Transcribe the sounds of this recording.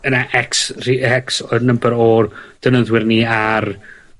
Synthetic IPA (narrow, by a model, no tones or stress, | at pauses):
ənaʔɛksriɛksɔnəmbəɾɔd̥ənəðwɪrniar